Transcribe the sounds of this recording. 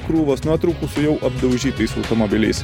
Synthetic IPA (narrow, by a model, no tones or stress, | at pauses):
kɾuːʋɐsnuɔt̪ɾɐʊkʊsʊjɛʊʔɐb̚d̪ɐʊʒʲiːt̪ɐɪsɐʊt̪omobʲɪlʲɛ̰ɪs